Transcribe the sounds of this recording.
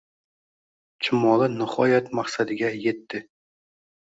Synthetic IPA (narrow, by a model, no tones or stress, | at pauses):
t͡ʃʰɪmɒlˠɨnɪχɒjat̪maqsad̪ɪɡʲajet̪ːɪ